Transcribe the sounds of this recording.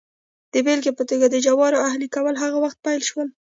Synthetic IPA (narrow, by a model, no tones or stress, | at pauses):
d̪̥əbelɡepət̪oɡad̪əd͡ʒawɑɾoahlikawəlɦaɣawaxt̪̚pajlʃwəl